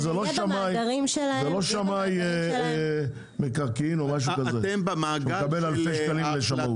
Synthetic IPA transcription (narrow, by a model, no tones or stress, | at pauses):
zeloʃamajʁimʃelazeloʃamaj | mekaʁkiinomaʃukazembmaɡukabelalfeʃkalimleʃamut